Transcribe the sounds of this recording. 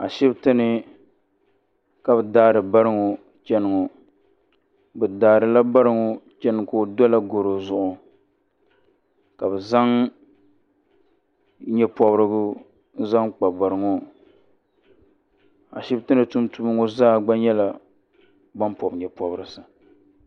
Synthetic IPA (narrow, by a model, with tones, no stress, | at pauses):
a˨ʃɪ˦btɨ˦nɨ˨ | ka˦bɨ˨daː˦ɾɨ˨ba˦ɾɨ˦ŋo˨ | t͡ʃɛ˦nɨ˨ŋo˨ | bɨ˨daː˨ɾɨ˨la˦ba˦ɾɨ˦ŋo˦t͡ʃɛ˦nɨ˨ŋ˨ko˦dɔ˦la˦ɡo˨ɾo˨zʊ˨ʔʊ˨ | ka˨bɛ˨za˦ŋ | ɲɛ˦pɔ˦bɾɨ˦ɡʊ˦ | n̩˦za˦ŋk͡pa˨ba˨ɾɨ˨ŋo˦ | a̰˨ʃi˦btɨ˦nɨ˨tu˦mtu˦bɨ˦ŋo˦zaː˦ɡ͡ba˦ɲɛ˦la˨ | ba˦mpɔ˨bɲɛ˨pɔ˨bɾɨ˨sɨ˨